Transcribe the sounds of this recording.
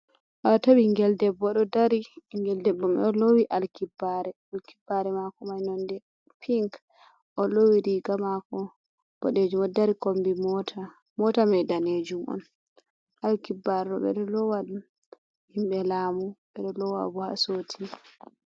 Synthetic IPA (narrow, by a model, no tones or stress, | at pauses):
ʔɔtabiŋɡɛldɛbːɔɗɔdaɾiŋɡɛldɛbːɔmɛɔlowiʔalkibːaɾɛalkibːaɾɛmakɔmajnɔndɛ | pʰiŋk | ʔɔlowiɾiɡamakɔ | b̥ɔɗed͡ʒumɔdaɾikombiɔtʰa | mɔtamɛdaned͡ʒumʔɔ̰n | ʔalkibːaɾɛɗɔ̰ɓɛ̰ɗɔlɔwadu | himɓɛlamuɓɛɗɔlɔwa̰bɔha̰sotʰi